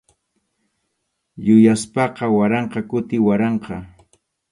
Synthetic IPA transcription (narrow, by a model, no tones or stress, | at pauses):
jʊjaspɑqɑwaɾɑɴqɑkʊt̪ɪwaɾɑɴqɑ